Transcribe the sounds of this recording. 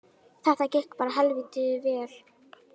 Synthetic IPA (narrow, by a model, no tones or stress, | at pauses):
θɛht̪acɛhkpaːɾaɦɛlviːt̪ɪðʏvɛːl̥